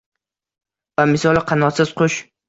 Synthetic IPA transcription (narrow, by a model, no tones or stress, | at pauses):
vamɪsɒlˠqʰɑnɒt̪sɪz̥qʰʊʃ